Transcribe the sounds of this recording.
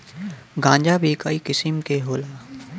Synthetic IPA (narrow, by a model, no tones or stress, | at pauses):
ɡãːɲd͡ʒabeːkaːikɪsɪmkeɦoːlaː